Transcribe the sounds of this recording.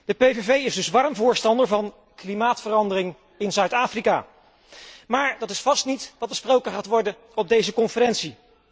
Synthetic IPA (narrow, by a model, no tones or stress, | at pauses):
d̥əpevevejɪzdɵsʋɑrmvʊːɹstɑndəɹvɑn | klimaːtfərɑndərɪŋ | ɪnzœɥtaːfrika̰ː | maːɹdɑtɪsfɑstnitʋɑt̚bəsprowkəχaːtʋɔɹdən | ɔb̚dejzəkɔnfəɾɛntsi